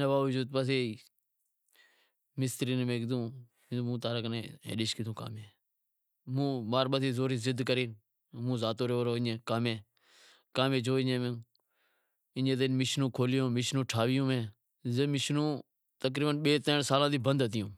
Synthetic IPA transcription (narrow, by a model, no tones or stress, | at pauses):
neːbaːʋəd͡ʒuːd̪̚pəs̬eːiː | mɪst̪əɾiːnmẽːkd̪ũː | mũːt̪aːɾəkənḛḛ̃ːɗɪːʃkɪt̪ũːka̰ːmẽː | mũːmaːɾɓəseːzoːɾiːzɪd̪kəɾeː | mũːzaːt̪oːɾeoːɾoːɪɲẽːkaːmẽː | kaːmẽːd͡ʒoːɪɲẽːmẽ | ɪɲẽːt̪̬enmɪʃnũːkʰoːlɪjõːmɪʃnũːʈʰaːʋɪjũːmẽː | zeːmɪʃnũː | t̪ək̬ɾiːbənɓeːt̪əːnsaːlãːd̪iːbənd̪ət̪ɪjũː